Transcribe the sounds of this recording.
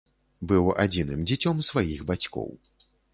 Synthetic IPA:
bɨwa̰d͡zʲinɨmd͡zʲit͡sʲɔmsvajixbat͡sʲkɔ̰w

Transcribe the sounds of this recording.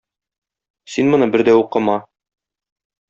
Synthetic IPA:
sinmɤ̆nɤbɘɾd̪æuqɤ̆mɑ

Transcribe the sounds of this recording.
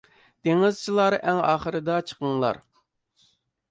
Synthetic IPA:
t̪eŋɪzt͡ʃʰilˠɑɾɨʔɛŋɑːχəɾɨd̪ɑt͡ʃʰə̥qəŋlˠɑ̰ɾ

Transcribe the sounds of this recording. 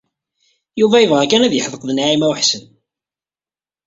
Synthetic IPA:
juvæjəvʁækænæðjəħəðˤəqðnʕimæwħsən

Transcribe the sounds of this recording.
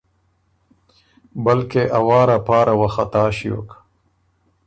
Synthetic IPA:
bɐlkeʔɐwaːɾapaːɾawɐxɐt̪aːɕio̰k

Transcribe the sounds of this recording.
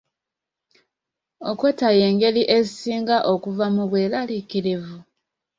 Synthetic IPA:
okwetaje̞ːŋɡe̞liʔe̞zisiːŋɡaʔo̞kuvamuβwe̞ːlalikiɾivu

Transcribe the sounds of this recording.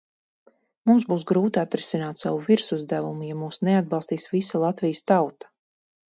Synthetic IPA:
mumzbuːsɡɾuːt̪at̪ɾisinaːt̪savuviɾsuzd̪ævumujamuːsnead̪̚bɑlˠst̪iːsvisalˠat̪vijəst̪awt̪ḁ

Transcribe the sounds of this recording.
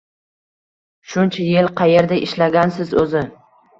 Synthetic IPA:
ʃʊnt͡ʃʰajelqʰɑjeɾd̪aʔɪʃlaɡʲansɪzɵzɪ

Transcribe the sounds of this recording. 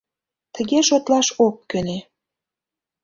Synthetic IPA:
t̪əɣeʃot̪lɑʃokːøne

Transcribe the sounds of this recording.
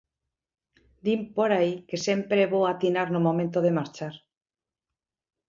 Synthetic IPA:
d̪impoɾaikesempɾeβowat̪inaɾnomomẽnt̪oð̞emaɾt͡ʃaɾ

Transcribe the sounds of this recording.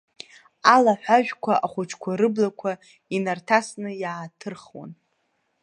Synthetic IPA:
alaħʷᶣaʒᶣkʷʰaʔaχʷʊt͡ʃʰkʷʰaɾɨblakʷʰa | inartʰasnɨjaːtʰɨrχwa̰n

